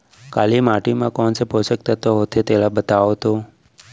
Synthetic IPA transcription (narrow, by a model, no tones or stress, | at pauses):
kalimaʈimãkɔnseposək̚t̪at̪oɦot̪ʰet̪elabət̪aʋot̪o